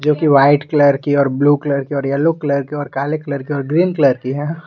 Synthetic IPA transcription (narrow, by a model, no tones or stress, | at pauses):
d͡ʒoːkiʋaːɪʈkləɾkiɔːɾbluːkləɾkiɔːɾjɐlokləɾkiɔːɾkaːlekləɾkiɔːɾɡɾiːnkləɾkiɦɛ̃ː